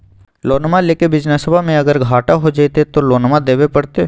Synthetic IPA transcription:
loːnmaleːkebɪd͡ʒnasəbʱamẽɐɡəɾɡʱaːʈaɦod͡ʒat̪et̪oloːnmad̪eːbepɐɽt̪eː

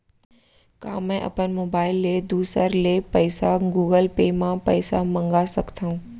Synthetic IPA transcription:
ka̰ːmɛ̃ʔɐ̰pənmoːbaːɪlːed̪uːsəɾlepəɪsaɡuːɡəlpeːmãpɐ̰ɪsamɐ̃ŋɡasɐkt̪ʰaũː

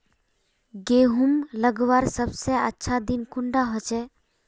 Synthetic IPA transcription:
ɡeːɦumləɡʋaɾsəbseətːʃʰad̪inkʊɳɖaɦɔt͡ʃɛ

